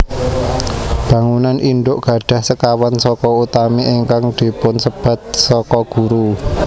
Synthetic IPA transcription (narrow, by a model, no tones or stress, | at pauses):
b̥ä̤ŋunanʔiɳɖʊʔɡ̥ä̤ɖ̥a̤hsəkawansɔkɔut̪ameʔiŋkaŋd̪̥i̤pʊnsəb̥ä̤t̪̚sɔkɔɡ̥ṳɾu